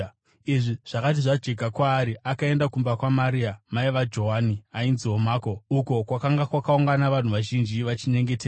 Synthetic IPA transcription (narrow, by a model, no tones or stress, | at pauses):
iʐiʐ̥akat̬iʐad͡ʒeɡʱakwaːɾiakae̞ndakumbakwamaɾiːamaiʋad͡ʒo̞ɦaniainziomaːko̞uko̞kwakaŋɡakwakauŋɡanaʋan̤uʋaʒind͡ʒiʋat͡ʃiɲe̞ŋɡe̞teːa